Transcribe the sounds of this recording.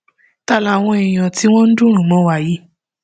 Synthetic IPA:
ta˦˨la˨w̃ɔ̃˧i˨j̃ɔ̃˨ti˨˦w̃ɔ̃˦n̩˦dũ˦ɾ̃ũ˨mɔ̃˨˦wa˦˨ji˨˦

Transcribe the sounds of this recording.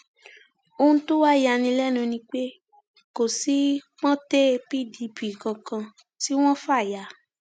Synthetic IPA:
o˧ũ˧tõ˦wa˦˨ja˧˨nĩ˧lɛ˦nũ˧nĩ˧k͡pe˦ | ko˨si˦k͡pɔ̃˦te˦˧pi˦di˧˦bi˨kã˨kã˧ | ti˦w̃ɔ̃˦fa˦˨ja˨˦

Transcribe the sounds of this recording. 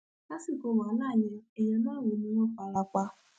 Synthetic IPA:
ka˦si˦˨ko˧˦˨wa˨˦nãː˦˨ɲɛ̃˧ɛ˨jɛ̃˧˦nũ˦a˦˨we˨˦nĩ˧˦wɔ̃˦k͡pa˧la˧k͡pa˧

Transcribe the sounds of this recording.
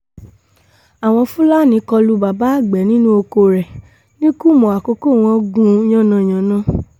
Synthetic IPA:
a˨w̃ɔ̃˧fũ˦la˦˨nĩ˧˦kɔ˧lu˧˦ba˨ba˨˦a˦˨ɡ͡bɛ˨˦nĩ˦nũ˦o˧ko˧ɾɛ˨ | nĩ˦ku˦˨mɔ̃˨a˨ko˧˦ko˦˨w̃ɔ̃˧˦ɡũ˦j̃ɔ̃˦˨nã˧˨j̃ɔ̃˨˦nã˦

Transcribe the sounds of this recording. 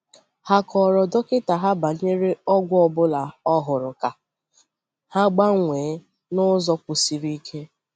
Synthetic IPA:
ha˦kʰɔ˨ɾɔ˨dɔ˦kɪ˦ta˨ɦa˦ba˨ɲe˦ɾe˦ɔ˦ɡʷʊ˦ɔ˨bʊ˦la˨ɔ˦ɦʊ˨ɾʊ˨ka˨ | ha˦ɡ͡ba˦ŋʷeː˨˦ | nʊ˦zɔ˦kʷu˨si˨ɾi˦i˦kʰe˦

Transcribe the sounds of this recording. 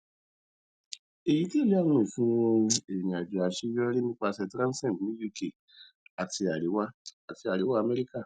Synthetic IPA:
e˨ji˨˦ti˦e˦˨le˦a˦˨w̃ɔ̃˧i˨fũ˨˦wõ˧e˨jĩ˨a˨d͡ʒu˨a˨ʃi˧˦jɔ˦ɾi˦nĩ˦k͡pa˧sɛ˧tɾã˦sɛ̃˦˨tnĩ˦ju˦˨ke˨ | a˨ti˧a˨ɾi˨˦wa˦a˨ti˧a˨ɾi˨˦wa˦˧˨mɛ˦ɾi˦ka˦˨

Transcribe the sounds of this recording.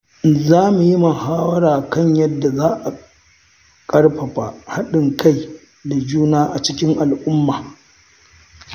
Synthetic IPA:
zaː˦mu˨ji˦mɐ˨haː˦wɐ˦ɽaː˨kɐ˦˨ɲjɐ˦dːa˨zaː˦ʔa˨ | kʼɐ˦ɽɸɐ˨ɸa˨ha˦ɗɪ˨ŋkʰa˦˨j | da˨d͡ʒuː˦naː˦ʔa˨t͡ʃɪ˦kʲɪ˦ŋʔa˨lʔʊ˦mːaː˨

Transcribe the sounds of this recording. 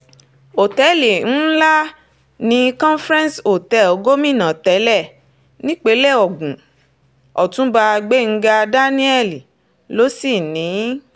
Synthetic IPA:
o˨tɛ˨˦li˨n̩˦la˦ | nĩ˧kɔ̃˦fɾɛ̃˦nso˨tɛ˨˦ɔ˨ɡo˦mĩ˦˨nã˨tɛ˨˦lɛ˦˨ | nĩ˦k͡pe˨˦lɛ˦˨ɔ˨ɡũ˨ | ɔ˨tũ˨˦ba˧ɡ͡be˦ŋ̩˦˧ɡa˧da˦nĩ˦ɛ˦li˨ | lo˨˦si˦˨nĩ˨˦

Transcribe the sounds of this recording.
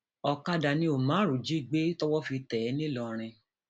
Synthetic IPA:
ɔ˧ka˦da˧nĩ˦o˨mã˨˦˨ɾu˨d͡ʒi˦˨ɡ͡be˦tɔ˦wɔ˦fi˧tɛ˨˦nĩ˦lɔ˧˨ɾ̃ĩ˧

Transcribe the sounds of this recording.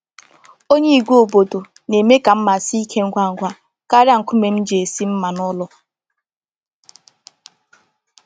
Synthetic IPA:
o˦ɲe˦i˨ɡʷu˦o˨bo˨do˨ | ne˨me˦ka˨m̩˦ma˨si˦i˦kʰe˦ŋ̩˦ɡʷa˦˨ŋ̩˨ɡʷa˦ | ka˦ɾa˦ŋ̩˨kʷʊ˦me˨m̩˦d͡ʒe˨e˨si˦m̩˦ma˨nɔ˦lɔ˦

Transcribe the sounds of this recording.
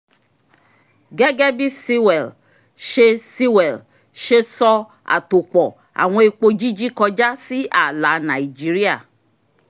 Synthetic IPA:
ɡɛ˦ɡɛ˦bi˦si˦wɛ˨l | ʃe˧si˦wɛ˨l | ʃe˧sɔ˧ | a̰˨to˨k͡pɔ˨ | a̰˨w̃ɔ̃˧e˧k͡po˧d͡ʒi˦d͡ʒi˦kɔ˧d͡ʒa˦si˦a˨la˨˦na˨i˨d͡ʒi˦ɾi˦a˦˨

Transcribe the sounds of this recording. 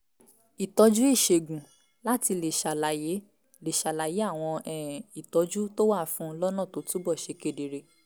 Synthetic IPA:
i˨tɔ˨˧d͡ʒu˦i˦˨ʃe˨ɡũ˨ | la˦ti˧le˨ʃa˨la˨je˨˦ | le˨ʃa˨la˨je˨˦a˦˨w̃ɔ̃˧ɛ˦˨i˨tɔ˨˦d͡ʒu˦to˦wa˦˨fũ˨˦lɔ˦nã˦˨to˨˦tu˦bɔ˦˨ʃe˨˧ke˦˧˨de˨ɾe˧

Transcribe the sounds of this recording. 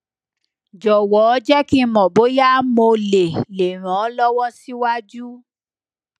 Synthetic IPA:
d͡ʒɔ˨wɔ˨˦d͡ʒɛ˦ki˦mɔ̃˨bo˨˦ja˦mo˧le˨le˨ɾ̃ɔ̃˨˦lɔ˦wɔ˦si˦wa˦d͡ʒu˦

